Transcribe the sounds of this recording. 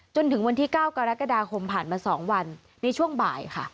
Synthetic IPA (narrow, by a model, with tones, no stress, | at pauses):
t͡ɕo˧nt̪ʰɯ˩˦ŋwa˧nt̪iː˥˩kaː˥˩wka˧ɾa˦˥ka˧daː˧kʰo˧mpʰaː˨˩nmaː˧sɔː˩˦ŋwa˧nː | a˧jt͡ɕʰu˥˩əŋba̰ː˨˩jkʰa˥˩